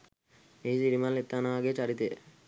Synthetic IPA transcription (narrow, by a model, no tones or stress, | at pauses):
eisiɾimanlet̪ːaːnaʋaːɡeːt͡ʃaɾit̪ejə̰